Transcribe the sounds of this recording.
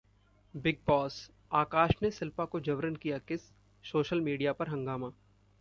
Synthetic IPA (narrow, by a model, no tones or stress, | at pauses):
bɪɡ̚bɔːs | aːkaːʃnesɪlpakod͡ʒɐʋɾənkijakɪsː | oːʃəlmiːɖijapɐɾɦɐ̃ŋɡaːmaː